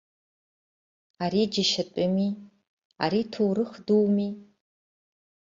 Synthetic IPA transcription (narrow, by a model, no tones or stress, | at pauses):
aɾid͡ʒaʃatʷʼʊmi | a̰ɾitʰowrɨχduwmi